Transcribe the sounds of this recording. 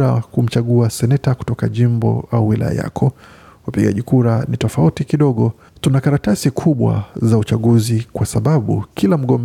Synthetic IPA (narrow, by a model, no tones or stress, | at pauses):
ɾakum̩t͡ʃaɠuasɛnɛtaku̥tɔkaʄimbɔ̰auwila̰ja̰ja̰kʰɔ | wapiɠa̰ʄikuɾanitɔfautikiɗɔɠɔ | tunakaɾatasikʰuɓwa̰zaut͡ʃaɠuzikwasaɓaɓṵkʰilam̩ɠɔm